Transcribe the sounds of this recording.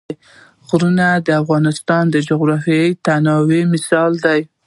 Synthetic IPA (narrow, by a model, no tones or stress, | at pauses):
ɣɾunad̪əafɣɑnɪst̪ɑnd̪əd͡ʒʊɣɾɑfijəjt̪anɑwemɪsɑld̪aj